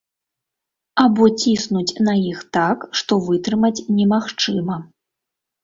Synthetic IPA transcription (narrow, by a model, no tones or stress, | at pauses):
abɔt͡sʲisnut͡sʲnɐjixt̪akʂt̪ɔvɨt̪ɾɨmɐt͡sʲnʲɛmaxt͡ʂɨmɐ